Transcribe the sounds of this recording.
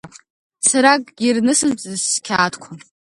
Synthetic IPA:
saɾakʼɡʲirnɨsɨnt͡sʼɨzkʲʰaːtʰkʷʰa

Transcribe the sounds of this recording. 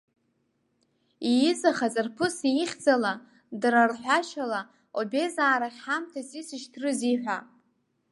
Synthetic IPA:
ijɪzaχat͡sʼɨrpʰɨsijiχʲd͡zala | drarħʷᶣaʃala | obezaːɾaχʲħamtʰasisɨʃtʰrɨziħʷᶣa

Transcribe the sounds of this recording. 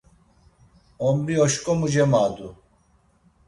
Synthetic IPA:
ombioɕkomud͡ʑemaːd̪u

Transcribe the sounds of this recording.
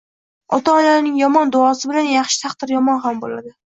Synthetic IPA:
ɒt̪ʰaɒlaɾnɪŋjɒmɒnd̪ʊɒsɪbɪlanjɑχʃɪ̥t̪ʰɑqd̪ɪɾjɒmɒnχambola̰d̪ɪ

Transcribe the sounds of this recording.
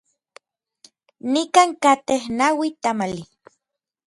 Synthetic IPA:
nikaːŋkat̪ehnawit̪amali

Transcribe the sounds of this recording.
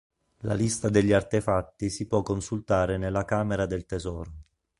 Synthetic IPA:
la̰list̪ad̪eʎːiart̪efat̪ːisipwɔkːonsult̪aːɾenelːakaːmeɾad̪elt̪ezɔːɾo

